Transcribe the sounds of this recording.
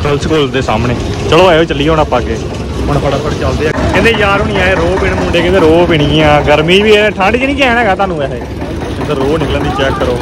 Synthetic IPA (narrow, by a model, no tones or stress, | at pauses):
kʰəlskoːld̪eːsa̰ːmneː | t͡ʃəloːaːeot͡ʃəlːiːonapːaːkeː | ɦʊɳkʰəɽaːkʰəɽt͡ʃəld̪eːaːkɛ̃ẽːnd̪eːjaːɾɦʊñĩːãːeːɾoːbɪɳmũːɳɖeːkɛ̃ːnd̪eːɾoːbɪɳiːãːɡəɾmĩːʋiːeʈʰãːɳɖt͡ʃːnĩːkɛːñɛ̃ːɡaːt̪aːnũːɛːɦeː | kẽnd̪eɾoːnɪklə̃nd̪iːt͡ʃɛːkːəɾoː